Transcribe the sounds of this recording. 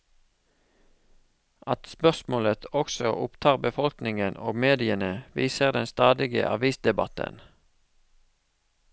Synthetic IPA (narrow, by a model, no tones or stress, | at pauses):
ʔɑt̪spœʁsmoːlət̪ʰɔksɔʔʊpt̪ʰɑːʁbəfɔlknɪŋənoːɡmeːd̪ɪənəʋiːsəʁd̪ɛnst̪ɑːd̪ɪɡə̰ʔɑ̰ʋiːsd̪ɛbɑt̪ə̰n